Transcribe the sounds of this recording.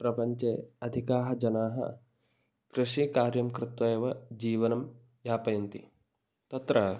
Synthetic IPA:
pɾɐpɐɲt͡ʃeːɐd̪ʱikaːɦɐd͡ʒɐnaːɦɐ̰ | kɾɪʂikaːɾjɐmkɾɪt̪wɐeʋɐd͡ʒiːʋɐnɐm | jaːpɐjɐnt̪ḭ | t̪ɐt̪ɾɐ

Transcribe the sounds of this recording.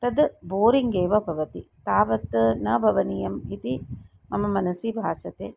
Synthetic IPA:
t̪ɐd̪boːɾiŋɡeːʋɐbʱɐʋɐt̪it̪aːʋɐt̪nɐbʱɐʋɐnijɐmit̪i | mɐmɐmɐnɐsibʱaːsɐt̪eː

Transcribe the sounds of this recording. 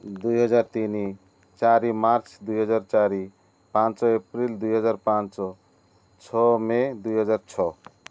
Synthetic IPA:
d̪ujɦʌd͡ʒaɾt̪ini | t͡ʃaɾimaɾt͡ʃʰd̪ujɦʌd͡ʒaɾt͡ʃaɾi | pãnt͡ʃɔepɾild̪ujɦʌd͡ʒaɾpãnt͡ʃɔ | t͡ʃʰɔmed̪ujɦʌd͡ʒaɾt͡ʃʰɔ

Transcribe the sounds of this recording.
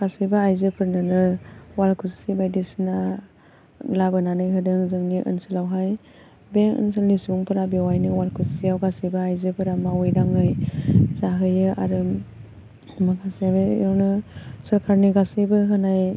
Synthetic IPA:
ɡ̥asijbaajzɯpʰɯɾnɯnɯwalkʰusibajdesina | labɯnanɯjɦɯdɯŋzɯŋniʔɯ̰nsɯlawɦaj | beŋɯ̰nsɯlnisuŋpɯɾabewajnɯwalkʰusijawɡasijbaajzɯpʰɯɾamawɯjdaŋɯjzaɦɯjɯʔa̰ɾɯ | makʰasijabḛjɔwnɯsəɾkʰaɾniɡasɯjbɯɦɯnaj

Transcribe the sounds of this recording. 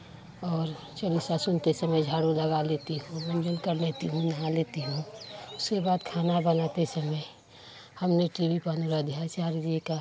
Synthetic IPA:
ɔːɾ | t͡ʃəlisasʊnt̪esəməjd͡ʒʱaːɽuləɡalet̪iɦũmə̃nd͡ʒəlkəɾleːt̪iɦũnɐɦaleːt̪iɦũʊskebaːd̪kʰaːnabənat̪esəməj | həmneʈiwipanuɾad̪ʱijasaːɾd͡ʒika

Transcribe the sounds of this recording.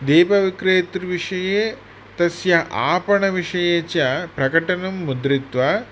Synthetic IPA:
d̪eːpɐʋikɾeːt̪ɾʋiʂɐjeː | t̪ɐsjɐʔa̰ːpɐɳɐʋiʂɐjeːt͡ʃɐpɾɐkɐʈɐnɐmːud̪ɾit̪ʋɐ

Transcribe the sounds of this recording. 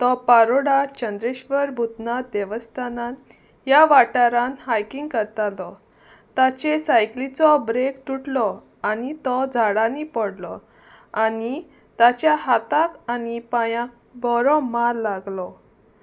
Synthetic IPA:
t̪ɔpaɾoɽat͡ɕənd̪ɾeɕʋəɾbʱut̪nad̪eʋəst̪ʰanãn | jaʋaʈaɾãnɦajkiŋɡkəɾt̪alɔ | t̪at͡ɕesajklit͡sɔbɾekʈuʈlɔ | anit̪ɔd͡zʱaɽanipɔɽlɔ | ani | t̪at͡ɕjaɦat̪akanipajãk̚ | bɔɾɔmaɾːaɡlɔ

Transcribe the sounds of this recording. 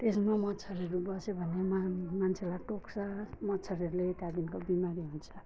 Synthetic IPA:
t̪esmamʌt͡sʰʌɾʌɾubʌsebʱʌnemmant͡sʰelaʈoksʰʌmʌt͡sʰʌɾʌɾulet̪jad̪inkobimaɾiɦunt͡sʰʌ̥

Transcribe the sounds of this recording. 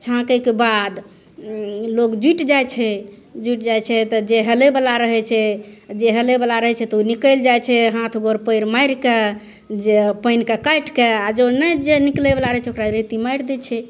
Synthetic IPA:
t͡ʃʰãkəkebad̪ | lokd͡ʒiʈd͡ʒajt͡ʃʰɛ | d͡ʒiʈd͡ʒajt͡ʃʰɛt̪ɔd͡ʒeɦelebəlaɾəɦɛt͡ʃʰɛd͡ʒeɦelebəlaɾəɦɛt͡ʃʰɛt̪ɔunikəld͡ʒajt͡ʃʰɛɦãt̪ʰɡoɾpəjɾmajɾke | d͡ʒepəjnkekajʈkead͡ʒonəjd͡ʒeniklebelaɾəɦɛt͡ʃʰɛokɾaɾit̪imajɾd̪ɛt͡ʃʰɛ

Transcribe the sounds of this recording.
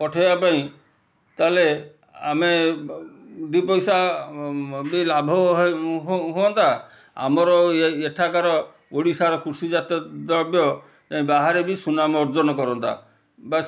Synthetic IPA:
pɔʈʰajbapaĩ | t̪ale | a̰me | d̪ipɔjsa | bilabʱɔɦɦɦuɔnt̪a | a̰mɔɾɔeʈʰakaɾɔ | oɽisaɾɔkʰusid͡ʒat̪ɔd̪ɔɾbjɔ | t̪aĩbaɦaɾebisunamɔɾd͡ʒɔnɔkɔɾɔnt̪a̰ | ba

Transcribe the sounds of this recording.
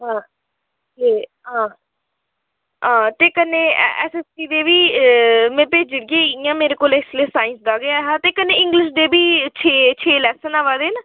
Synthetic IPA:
ɦãː | t̪eː | ɦãː | ãːt̪eːkənːeːɛ̰ːsɛːsʈiːd̪eːʋiːmɛ̃ːpeːd͡ʒɪɾɪɡẽːɪjãːmeːɾeːkoːlɛːslesaːɪnsd̪aːɡeaɦãːt̪eːkənːeːɪ̃ŋɡlɪʃd̪eːbiːt͡ʃʰeːt͡ʃʰeːlɛːsənaːʋaːd̪eːnə

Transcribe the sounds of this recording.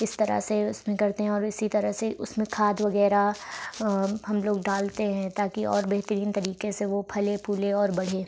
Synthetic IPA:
ɪst̪ɐɾə̰seʊsmẽkɐɾt̪eɦɛ̃ɔːɾɪsit̪ɐɾəɦseʊsmẽkʰaːd̪ʋɐɡɛːɾa | ɦɐmloːɡ̚ɖaːlt̪eɦɛ̃ːt̪aːkiʔɔ̰ːɾbɛɦt̪əɾiːnt̪ɐɾiːkeseʋopʰɐlepʰuːleɔːɾbɐɽ̤eː

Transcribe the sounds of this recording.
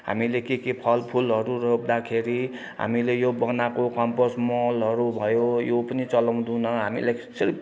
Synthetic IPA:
ɦa̰milekekepʰʌlpʰulɦʌɾurʌkd̪akʰeɾi | ɦa̰milejobʌnakokʌmpʌsmʌlɦʌɾubʱʌjojopʌnit͡sʌlaw̃d̪unʌɦamḭlakʌ̥sʌɾi

